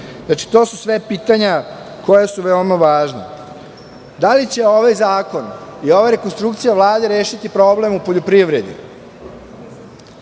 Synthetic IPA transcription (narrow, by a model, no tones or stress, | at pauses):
znat͡ʃi̥t̪o̞ːsusʋe̞piːt̪aɲa | ko̞jasuʋeomaʋaːʒna̰ | d̪alit͡ɕe̞o̞ʋajzaːko̞nioʋaɾe̞konst̪ɾukt̪sijaʋlˠaːd̪eɾeːʃit̪ipɾo̞ble̞mupoʎopɾiʋɾe̞d̪ḭ